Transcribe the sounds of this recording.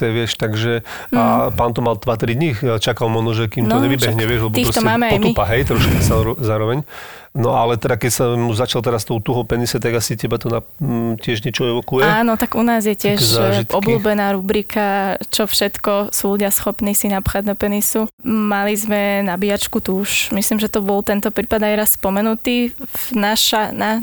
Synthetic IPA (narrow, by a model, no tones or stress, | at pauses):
t̪ɛʋɪɛʃt̪aɡʒɛ | apaːnt̪ɔmald̪ʋat̪ɾid̪ɲit͡ʃakalmɔʒnɔʒɛkimnɔɲɛʋibɛɦɲɛʋɪɛʒlɛbɔtiːpɾɔst̪ɔɛmaːmɛapɔjmt̪ipaɦɛjt̪ɾɔʃkazazaːɾɔʋɛɲ | nɔalɛt̪ɛd̪akɛcsauzat͡ʃalt̪ɛɾast̪ɔʊt̪uɦɔʊpɛnisɛt̪aɡasicɛbat̪ɔnacɪɛʒɲɛt͡ʃɔɛʋɔkujɛaːnɔt̪aɡunaːzjɛcɪɛʃzaʒiʔɔkbluːbɛnaːɾubɾikʰat͡ʃɔfʃɛt̪kɔsuluɟɪasxɔpniːsinapxaɟd̪ɔpɛnisumalizmɛnabiat͡ʃkut̪uːʃmisliːmʒɛt̪ɔbɔlt̪ɛnt̪ɔpɾiːpad̪ajɾasspɔmɛnut̪iːnaʃana